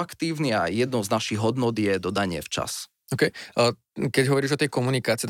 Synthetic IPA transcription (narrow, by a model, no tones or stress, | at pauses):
akt̪iːʊniajɛd̪nɔznaʃiɣɦɔd̪nɔd̪jɛd̪ɔd̪aɲɪɛ̰ft͡ʃa̰s | ɔkɛj | kɛɟɦɔʋɔɾiːʒɔt̪ɛjkɔmunikaːt͡siɛt̪